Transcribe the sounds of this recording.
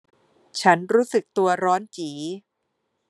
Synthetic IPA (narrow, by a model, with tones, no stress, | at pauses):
t͡ɕʰa˦˥nɾuː˦˥sɯ˨˩k̚t̪u˧ɐɾɔː˦˥nt͡ɕiː˩˦